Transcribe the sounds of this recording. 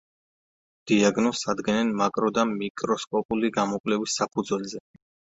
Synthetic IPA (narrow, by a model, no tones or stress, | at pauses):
d̪̥iaɡnɔsad̪ɡɛnɛnmakʼɾɔd̪amikʼɾɔskʼɔpʼuliɡamɔkʼwlɛvisːapʰud̪zwɛlzɛ